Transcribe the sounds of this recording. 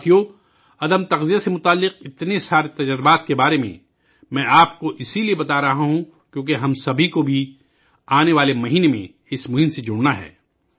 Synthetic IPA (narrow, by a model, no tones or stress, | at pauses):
t̪ʰijo | ɐd̪əmt̪ɐqzijasemʊt̪aːlːɪqɪt̪nesaːɾet̪ɐd͡ʒəɾɪbaːt̪kebaːɾemḛ̃ | mɛ̃ʔaːpkoʔɪsiliebɐt̪aɾɐɦaɦũ | kjõːk̬eɦɐmsɐbʱikobʱi | aːneʋaːlemɐɦiːnemḛ̃ | ɪsmʊɦɪmsed͡ʒʊɽnaɦɛ̰ː